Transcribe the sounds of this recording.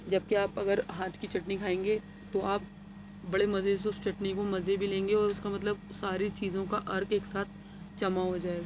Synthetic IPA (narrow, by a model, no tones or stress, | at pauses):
d͡ʒɐb̚keaːpɐɡəɾɦaːt̪ʰkit͡ʃɐʈnikʰaːẽːŋɡe | t̪oaːp̚ | bɐɽemɐzes̬ʊst͡ʃɐʈnikomɐzebʱilẽːŋɡeɔːɾʊskamɐt̪ləb̚saːɾit͡ʃiːzõkaʔɐɾkeːksaːt̪̚ʰ | t͡ʃɐmaɦod͡ʒaːeɡaː